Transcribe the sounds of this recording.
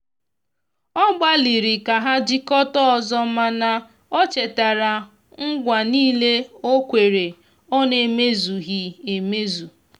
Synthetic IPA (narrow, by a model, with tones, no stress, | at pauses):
ɔ˦ɡ͡ba˦li˨ɾi˨ka˨ɦa˦d͡ʒi˦kɔ˦tɔ˦ɔ˨zɔ˦ma˦na˨ | ɔ˦t͡ʃe˨ta˨ɾa˨ | ŋ̩˦ɡʷa˨niː˦le˦o˦kʷe˨ɾe˨ | ɔ˦ne˨me˦zu˨ɣi˨e˨me˦zu˨